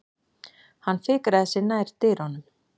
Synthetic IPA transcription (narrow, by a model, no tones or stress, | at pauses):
hanːfɪːkɾaðɪsɪnaːjɾ̥t̪ɪːɾhɔnʏm